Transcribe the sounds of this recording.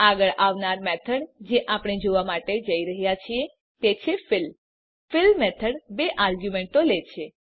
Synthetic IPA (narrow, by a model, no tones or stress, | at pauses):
aɡəɭʔaʋnaɾmɛt̪ʰəɽd͡ʒeʔapɽ̃ed͡ʒoʋamaʈed͡ʒəiɾəɦjat͡ʃʰie | t̪et͡ʃʰefɪl | fɪlmɛt̪ʰəɽbeʔaɾɡjumeɳʈolet͡ʃʰe